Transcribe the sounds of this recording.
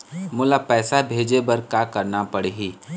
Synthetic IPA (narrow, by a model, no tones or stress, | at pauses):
mʊlapɛːsabʱeːd͡ʒebɐɾkaːkɐɾnapɐɽeɦiː